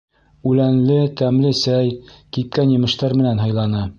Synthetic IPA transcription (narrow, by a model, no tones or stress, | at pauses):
ʉlænlɘt̪æmlɘsæjk̪ip̚kænjɤ̆mɤ̆ʃt̪ɑɾmɘ̆nænɦɑjlˠɑnɤ